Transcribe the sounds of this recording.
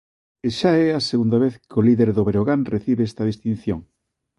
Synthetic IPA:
eʃaɛaseɣund̪aβeθkoliðeɾðoβeɾoɣanreθiβeest̪ɐð̞ist̪ĩn̟θjoŋ

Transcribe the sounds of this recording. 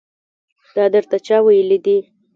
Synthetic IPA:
d̪̥ɑd̪əɾt̪at͡ʃɑwajəlid̪i

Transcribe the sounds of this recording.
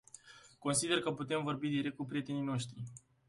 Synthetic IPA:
ko̞nsid̪e̞rkəput̪e̞mvo̞rbid̪iɾek̚t̪kupɾije̞t̪e̞nijno̞ʃt̪ɾi

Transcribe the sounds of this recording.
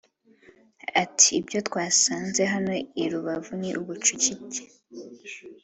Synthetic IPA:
atʰi̥ːbjo̞twaːsaːnze̞ɦano̞iɾuβavuniʔuβut͡ʃucite̥

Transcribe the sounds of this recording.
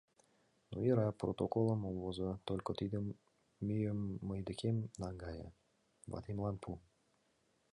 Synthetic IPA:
nṵiɾaprot̪okolˠəmolˠvozɤt̪olʲkət̪id̪əmː | yjəmːəjd̪ə̆kʲemnɑŋɡɑjə̰ | ba̰t̪imlˠɑnpʰu

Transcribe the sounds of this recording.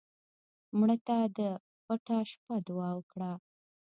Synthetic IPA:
mɽət̪ad̪ə | pəʈaʃpad̪ʊwɑwəkɽa

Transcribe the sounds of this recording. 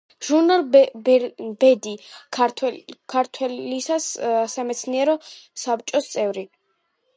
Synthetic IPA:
ʒ̥uɾnalˠ | b̥ɛd̪i | kʰaɾt̪ʰwɛlisassamɛt̪sʰniɛɾɔsap̚t͡ʃʼɔst̪sʼɛvɾi

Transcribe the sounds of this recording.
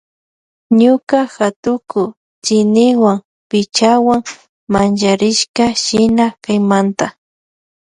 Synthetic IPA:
ɲʊkaxat̪ʊkʊ | t͡ʃɪnɪwaŋ | pɪt͡ʃawaŋ | mant͡ʃaɾɪʃkaʃɪnakajmant̪a

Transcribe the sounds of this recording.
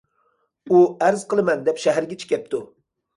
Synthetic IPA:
uæɾzqəlˠɨmɛnd̪ɛpʃæɦæɾɡʲɛt͡ʃʰi̥kʲɛp̚t̪ʰu

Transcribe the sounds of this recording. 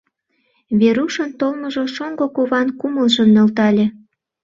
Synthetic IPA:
βeɾuʃənt̪olməʒoʃoŋɡokoβɑnkuməlʒəmnølt̪ɑlʲe

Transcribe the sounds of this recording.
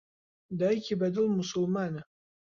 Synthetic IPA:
dajkʲʰibɐdɨlmʊsʊlmanɨ

